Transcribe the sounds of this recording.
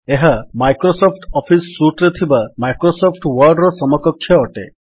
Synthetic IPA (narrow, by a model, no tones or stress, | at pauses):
eɦamajkɾosɔpʰʈɔpʰisːuʈɾet̪ʰibamajkɾosɔpʰʈwɔɾɖɾɔsɔmɔkɔkʰːjɔːʈe